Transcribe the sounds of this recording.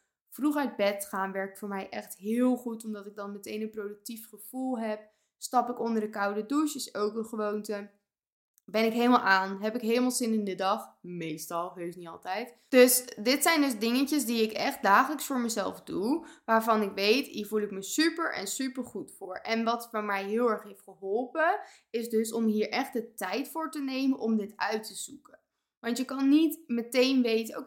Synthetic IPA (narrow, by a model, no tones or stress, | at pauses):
fruχœɥd̚bɛtχaːnʋɛɹk̚tfʊːɹmɛjʔɛχtɦɪːlˠχutɔmdɑtɪɡ̚dɑnmɛtejnənprowdək̚tifχəv̥ulˠɦɛp̚ | stɑpɪkɔndəɹdəkɑwdəduʃəsowkənχəʋowntə | bɛnɪkɦejləmalˠʔaːnɦɛpɪkɦejləmalˠzɪnɪndədɑχmejstɑlˠɦøɥsniɑ̰lˠtɛjt | d̥ɵsdɪtsɛjndɵzdɪŋəncəzdiɪkɛχt̚daːχələksfʊːɹməzɛ̰lˠfduʋaːɹvɑnɪkʋejtiːɹvulˠɪkməsypəɹʔɛ̰nsypəɹχutfʊːɹɛnʋɑtfɔnmɛjɦɪːlˠɛɹχɦejftχəɦɔlˠpə | ɪzdɵsɔmɦiːɹʔɛχt̚dətɛjtfʊːɹtənejmənʔɔmdɪtœɥtəzukən | ʋɑntjəkɑnːitmətejnʋejtəo